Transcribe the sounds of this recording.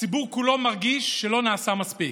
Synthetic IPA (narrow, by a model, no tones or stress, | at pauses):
t͡sibuʁkulo̞maʁɡiʃːelo̞naːsamaspi